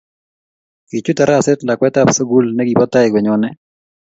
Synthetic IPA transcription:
ki˨t͡ʃu˦ta˨ɾa˦˨sɛ˦tla˨kwɛ˦ta˦pso˦ɡu˦lnɛ˦ɡi˨pɔ˦ta˦ɪ˨ɡwɛ˨ɲɔ˦nɛ˦

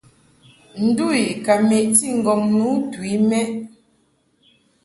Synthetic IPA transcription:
n̩˨˦du˦˨i˨ka˨me˨ʔti˦˨ŋ̩˨ɡɔ˨mnu˨˦twi˨˦mɛ˦

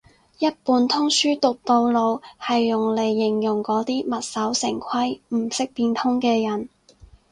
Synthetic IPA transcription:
jɐ˥t̚puː˨˧nt̪ʰʊ˥ŋsyː˥t̪ʊ˨k̚t̪o˧wlo˨˧whɐ˨jːʊ˨˩ŋle˨˩jːɪ˨˩ŋjʊ˨˩ŋkɔː˨˥t̪iː˥mɐ˨t̚sɐ˨˥wsɪ˨˩ŋkʷʰɐ˥jm̩˨˩sɪ˥k̚piː˧nt̪ʰʊ˥ŋkɛː˧jɐ˨˩n

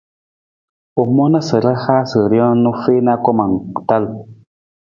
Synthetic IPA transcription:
o˨mɔ˦na˦sə˨ɾa˦xa˦sə˨ɾjɔ̃˦nu˦fe˦na˦kɔ˦ma˨ŋ˨ta˦l

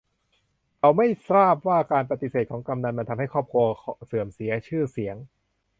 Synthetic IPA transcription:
ʔa˧wma˥˩jsaː˥˩p̚waː˥˩kaː˧npɾa˧t̪i˧seː˨˩t̪̚kʰɔː˩˦ŋka˧mna˧nma˧nt̪ʰa˧mha˥˩jkʰɔː˥˩p̚kʰu˧ɐsɯː˨˩əmsi˩˦ɐt͡ɕʰɯː˥˩si˩˦əŋ

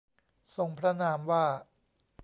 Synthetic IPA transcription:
so˧ŋpʰɾa˦˥naː˧mwaː˥˩

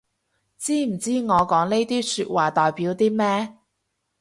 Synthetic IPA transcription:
t͡siː˥m̩˨˩t͡siː˥ŋɔː˨˧kɔː˨˥ŋne˥jt̪iː˥syː˧t̚waː˨t̪ɔː˨jpiː˨˥wt̪iː˥mɛː˥

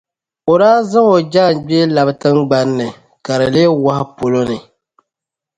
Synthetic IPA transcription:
o˨ɾaː˦za˦ŋo˨d͡ʒaː˦˨n˨ɡ͡bi˦e˦la˨btɨ˦mɡ͡ba˦nːɨ˨ | ka˨ɾɨ˨le˦wa˦hɪ˦po˨lo˦nɨ˨

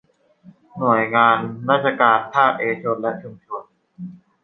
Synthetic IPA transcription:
nu˨˩əjŋaː˧nɾaː˥˩t̪̚t͡ɕʰa˧kaː˧np̪ʰaː˥˩kʔeː˧t͡ɕʰo˧nlɛ˦˥ʔt͡ɕʰu˧mt͡ɕʰo˧ən

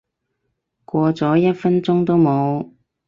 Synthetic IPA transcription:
kʷɔː˧t͡sɔː˨˥jɐ˥t̚fɐ˥nt͡sʊ˥ŋt̪o˥wmo˨˧w

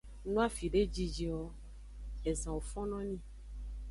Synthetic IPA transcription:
nũ˦a˦fi˨ɖe˦d͡ʒi˦d͡ʒi˨wɔ˨ | e˨zã˨o˨fɔ̃˦nɔ̃˦nĩ˦

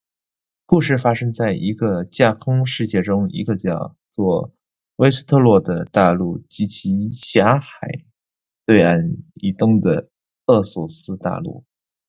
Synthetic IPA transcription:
ku˥˧ʂɻ̩˥˩fa˥ʂɤ˥ŋt͡sa˥˩ɪʔi˧˥ɡə˧t͡ɕja˥˩kʰʊ˥ŋʂɻ̩˥˧t͡ɕjɛ˥˩ʈ͡ʂʊ˥ŋḭ˧˥ɡə˧t͡ɕjɑ˥˧ʊ | t͡swɔ˥˩ | we˥ɪs̩˥t̪ʰɤ˥˧lwɔ˥˩d̪ə˩t̪a˥˧lu˥˩t͡ɕi˧˥t͡ɕʰi˧˥ɕja˧˥xa˨˩ɪ | t̪we˥˧ɪa˥˩ni˨˩t̪ʊ˥ŋd̪ə˩ | ɤ˥˩swɔ˨˩sɹ̩˥t̪a̰˥˧lṵ˥˩

